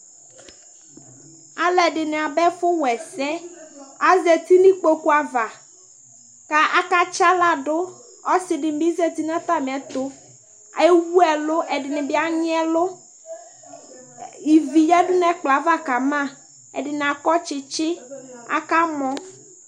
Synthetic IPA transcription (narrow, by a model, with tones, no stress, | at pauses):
a˨lɛ˨ɖɪ˨nɪ̃˨a˨bɛ˦fʊ˦wɛ˨sɛ˦a˨zɛ˨t̪i˦nĩ˦k͡po˦ku˦a˨va˨ | ka˨ʔa˦ka˦t͡ʃa˦la˨ɖʊ˦ | ɔ˦sɪ˨ɖɪ˨m˨bi˦zɛ˦t̪i˦nã˦t̪a˦mɪ̃˨ɛ˨t̪ʊ˦ | a̰˨˦wu˦ɛ˨lʊ˦ʔɛ˨ɖɪ˨nɪ̃˨bɪ˦a˦ɲɪ˦ɛ˦lʊ˦ | i˨vi˨jɛ˦dʊ˦nɛ̃˨k͡pla˨˦va˦ka˨mã˦ | ɛ̰˨ɖɪ˨n˨a˨kɔ˦t͡ʃɪ˨t͡ʃɪ˦a̰˦ka˦mɔ̃˦